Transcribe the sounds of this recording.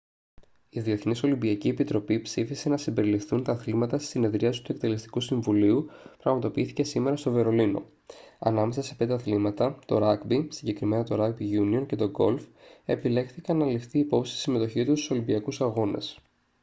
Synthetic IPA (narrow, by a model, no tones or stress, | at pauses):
iðie̞θniso̞limbiɐcie̞pit̪ɾo̞pipsifise̞nɐsimbe̞ɾilifθunt̪ɐθlimɐt̪ɐst̪i̥sine̞ðɾiɐsi̥t̪uekt̪e̞le̞st̪i̥kusiɱvuliupɾɐɣmɐt̪o̞piiθi̥ce̞sime̞ɾɐst̪o̞ve̞ɾo̞lino̞̰ | ɐ̰nɐme̞sɐse̞̥pe̞nd̪eɐθlimɐt̪ɐt̪o̞ɾɐkbisiɲɟe̞kɾime̞nɐt̪o̞ɾɐk̚biʝunio̞nce̞t̪o̞ɡo̞̰lfe̞pile̞xθikɐnːɐlifθiːpo̞psi̥si̥sime̞t̪o̞çit̪ust̪u̥so̞limbiɐkusɐɣo̞nɐ̰s